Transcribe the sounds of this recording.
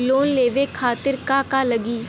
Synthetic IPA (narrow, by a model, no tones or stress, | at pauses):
loːnleːʋeːkʰaːt̪ɪɾkaːkaːləɡiː